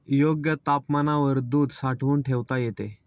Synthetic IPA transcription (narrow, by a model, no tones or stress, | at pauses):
joɡjət̪apmanaʋəɾd̪uːd̪saʈʰʋuːɳʈʰeʋt̪ajet̪e